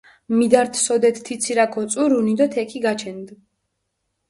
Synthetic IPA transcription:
mid̪aɾt̪ʰsɔd̪ɛt̪ʰt̪ʰːit̪sʰiɾakʰɔt̪sʼuɾunid̪ɔt̪ʰɛkʰiɡat͡ʃʰɛnd̪

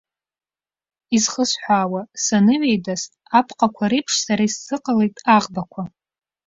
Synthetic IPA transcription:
izχəsħʷaːwasanɨʕejdas | apʰqʼakʷʰaɾipʰʂsaɾaiszɨqʼalejtʼaʁbakʷʰa

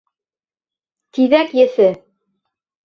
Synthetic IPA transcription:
t̪iðækjɘ̆θɘ

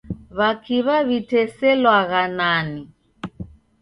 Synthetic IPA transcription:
βakiβaβitɛsɛlwaɣanani

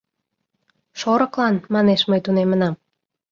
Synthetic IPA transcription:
ʃoɾɤ̆klɑnmɑneʃməjt̪unemənɑm

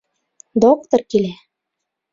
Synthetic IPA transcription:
d̪okt̪orkile

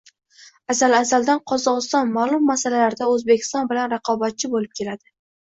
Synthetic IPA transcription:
asalasald̪anqʰɒzɒʁɨst̪ɒnmalˠʊmːasalalaɾd̪aɵzbe̞kʲʰɪ̥st̪ɒnbɪlanɾɑqʰɒbat̪̚t͡ʃʰɪbolɪp̚kʲʰe̞lad̪ɪ

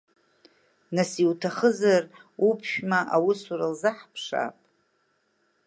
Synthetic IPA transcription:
nasiwtʰaχəzarupʰʃᶣmaʔawisuɾalzaħpʰʂa̰pʼ

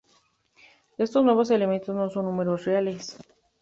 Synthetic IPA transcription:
e̞st̪oznwe̞βo̞s̬e̞leme̞nt̪ozno̞so̞nːũme̞ɾosreales

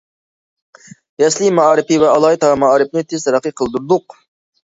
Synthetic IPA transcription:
jɛslˠimɑɑːɾɪpivɛɑlˠɑːjt̪ʰɑmɑɑːɾɪpnɪt̪ʰɪz̥t̪ʰɾəqʰɨqʰəlˠd̪uɾd̪ʊq

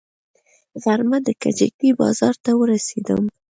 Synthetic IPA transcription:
ɣaɾmad̪əka̰d͡ʒa̰kibɑ̰zɑɾt̪awəɾased̪ə̰m

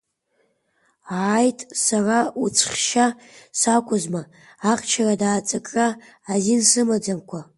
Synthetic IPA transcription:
jtʼsaraut͡sʰχʲʃa | sakʷʰʼʊzmaː | qʼt͡ʃʰaradaːt͡sʼakʼraː | zinsɨmad͡zamkʷʰa

